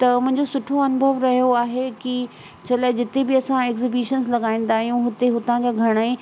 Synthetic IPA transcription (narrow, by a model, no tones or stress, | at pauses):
t̪ɐmʊ̃ɦɪ̃ɲd͡ʑosʊʈʰoɐnʊbʱəʋɾɐɦijoaːɦeki | t͡ɕʰɐlaːd͡ʑɪt̪ebɪɐsãeːkzɪbiːʃənzlɐɡaːĩːn̆d̪aːɦijũɦʊt̪eɦʊt̪ãd͡ʑaːɡʱɐɽ̃ae